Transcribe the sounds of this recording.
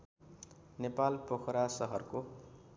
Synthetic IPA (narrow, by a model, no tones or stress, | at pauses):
nepalpokʰɾasʌɦʌrko